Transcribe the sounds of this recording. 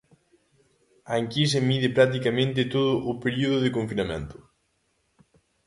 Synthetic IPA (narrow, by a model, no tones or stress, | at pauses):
aŋkis̬emiðɪpɾat̪̬ikamẽnt̪̬ɪt̪oðʊʔʊpeɾiuðʊðekoɱfinamḛ̃nt̪ʊ̥